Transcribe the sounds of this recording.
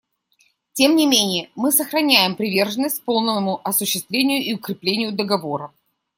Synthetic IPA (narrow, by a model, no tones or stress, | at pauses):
tʲemnʲɪmʲenʲɪjəmɨsəxɾɐnʲæjɪmpɾʲɪvʲe̞rʐənːəsʲt̚ʲpo̞lˠnənːəmʊʔɐsʊɕːɪst̪vʲlʲenʲɪjʊʔiʊkɾʲɪplʲenʲɪjʊd̪əɡɐvo̞ɾə